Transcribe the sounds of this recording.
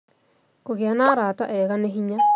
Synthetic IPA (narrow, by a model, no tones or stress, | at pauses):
koɣeanaːɾaːtaʔɛɣaneɦiɲa